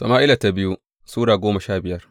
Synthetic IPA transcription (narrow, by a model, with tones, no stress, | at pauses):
to̰˨maː˦ʔɪ˦la˨ta˦bɪ˦ju˦ | suː˦ɽaː˨ɡʷoː˦ma˨ʃaː˦bɪ˨jɐ˦r